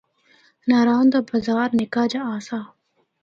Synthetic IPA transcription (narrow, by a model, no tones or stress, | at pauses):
naːɾaːnd̪aːbɐzaːɾnɪkaːd͡ʒaaːsaː